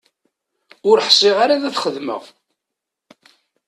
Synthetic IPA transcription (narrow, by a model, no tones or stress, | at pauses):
ʊɾħsˤiʁaɾaðæθχəðmə̰ʁ